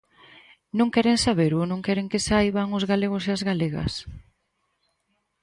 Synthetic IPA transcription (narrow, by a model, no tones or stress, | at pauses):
nõŋkɛɾeŋsaβeɾʊnõŋkɛɾeŋkɪsajβaŋʊzɣaleɣ̞ʊseazɣaleɣɐ̰s